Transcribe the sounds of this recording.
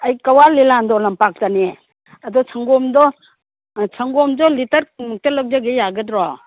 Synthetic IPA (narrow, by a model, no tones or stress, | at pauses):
ajkawalilandɔlɐmpak̚tane | ɐdɔsʰaŋɡɔmdɔ | sʰaŋɡɔmdɔlitɐɾmuk̚talɔk̚d͡ʒaɡejaɡɯdɾɔ